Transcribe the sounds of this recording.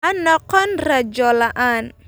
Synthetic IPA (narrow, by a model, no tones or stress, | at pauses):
anɔqɔnrad͡ʒɔlaʔan